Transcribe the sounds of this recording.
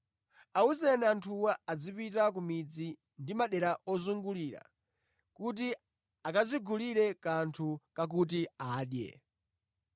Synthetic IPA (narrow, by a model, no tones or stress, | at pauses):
auzɛnɛantʰuwaad͡zipitak̬umid͡zi | ndimaɗɛɾaʔɔzuŋɡuliɾa̰ | kut̬i | akaziɡʱuliɾɛkantʰukak̬utiaːɗjɛ̰